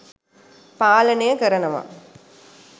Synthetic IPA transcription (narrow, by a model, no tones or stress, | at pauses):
paːlɐnɐjəkɐɾɐnɐʋa̰